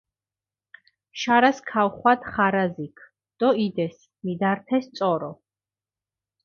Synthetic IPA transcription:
ʃaɾaskʰawχwad̪χaɾazikʰ | d̪̥ɔid̪ɛs | mid̪aɾt̪ʰɛst̪sʼɔɾɔ

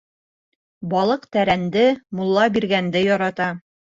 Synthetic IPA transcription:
bɒlˠɤqt̪æɾænd̪ɘmulˠːɑbiɾɡænd̪ɘjɒɾɑt̪ɑ

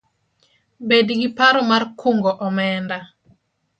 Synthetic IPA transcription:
bedɡipaɾɔmarkʰuŋɡɔʔɔmɛnda

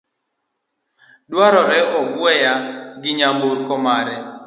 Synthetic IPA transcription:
dwaɾɔɾɛɔɡwɛjaɡɪɲamboɾkɔmaɾɛ

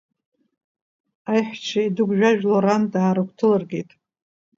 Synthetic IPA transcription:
ajħʷt͡ʃʰaidɨɡʷʒᶣaʒᶣloɾandaːɾɨkʷʰtʰɨlɨrɡʲejtʼ

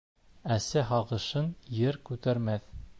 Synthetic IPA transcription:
æsæɦɑʁɤ̆ʃɤnjɘɾkʉt̪æɾmæθ

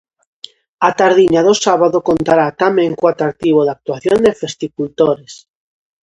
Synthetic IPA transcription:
at̪aɾðiɲaðosaβaðokont̪aɾat̪amẽŋkoat̪ɾak̚t̪iβoðak̚t̪uaθjond̪efest̪ikult̪oɾes

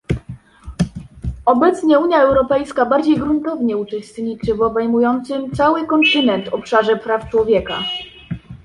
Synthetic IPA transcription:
ɔbɛt̪sɲɛuɲjaɛwɾɔpɛjskabaɾd͡ʑejɡɾunt̪ɔvɲɛut͡ʂɛst̪ɲit͡ʂɘvɔbɛjmujɔnt̪sɘmt̪sawɘkɔnt̪ɘnɛnt̪ɔpʂaʐɛpɾaft͡ʂwɔvʲjɛka

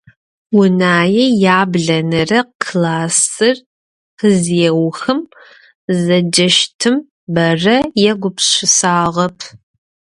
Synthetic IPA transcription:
wʊnaːjɛjaːbɮɐnɨrɐkʰlaːsɨr | qəzjɛwxɨm | zɐd͡ʒɐʃtʰɨm | bɐrɐjɛɡʷʊpɕɪsaːʁɐpʰ

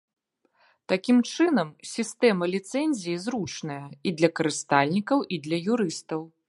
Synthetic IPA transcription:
t̪akʲimt͡ʂɨnɐmsʲist̪ɛmɐlʲit̪sɛnʲzʲijizɾut͡ʂnɐjɐid̪lʲɐkɐɾɨst̪alʲnʲikɐwʔid̪lʲɐjuɾɨst̪ɐw

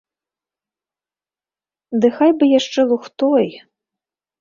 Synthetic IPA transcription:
d̪ɨxajbɨjaʂt͡ʂɛlˠuxt̪ɔj

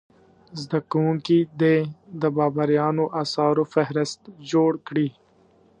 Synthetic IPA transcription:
zd̪ɐkuũkid̪ed̪əbɑːbaɾjɑːnoʔaːsɑːɾofeɦɾɪst̪d͡ʒoːɽkɽiː

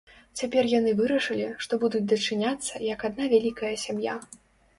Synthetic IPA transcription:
t͡sʲapʲɛrjanɨvɨɾɐʂɨlʲiʂt̪ɔbud̪ud͡zʲd̪ɐt͡ʂɨnʲat̪sːɐjɐkad̪navʲalʲikɐjɐsʲamja̰

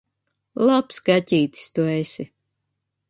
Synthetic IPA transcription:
lˠapskacʲiːt̪ʲi̥st̪uesʲi

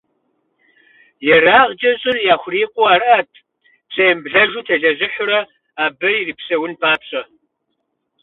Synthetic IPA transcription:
jɛraːʁd͡ʒʼɐɕʼɪrjaːxʷʊriːqʷʼʊaːrʔatʰ | psʼejmbɮɐʒʷʊmtʰɐɮɐʑɪħʷʊɾɐ | aːbɐiriːpsɐwʊnpʰaːpɕʼɐ

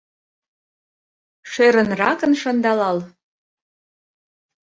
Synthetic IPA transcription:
ʃeɾə̆nrɑkə̆nʃɤ̆nd̪ɑlɑl

